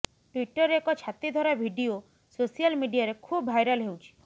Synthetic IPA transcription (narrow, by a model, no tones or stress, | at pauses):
ʈwiʈɔɾekɔt͡ʃʰat̪id̪ʱɔɾabʱiɖio | sosijalmiɖijaɾekʰubːʱajɾɔlɦewt͡ʃʰi̥